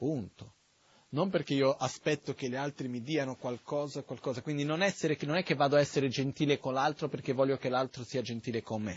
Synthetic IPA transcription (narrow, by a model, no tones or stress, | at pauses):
punt̪o̥ | nomperk̟eiːoʔaspɛt̪ːokelealt̪ɾimid̪iːanokwalkɔːzakwalkɔːzakwind̪inonɛsːeɾenonɛkːevːaːd̪oaɛsːeɾed͡ʒent̪iːlekonlalt̪ɾoperkevːɔʎjokelalt̪ɾosiːad͡ʒent̪iːlekomːe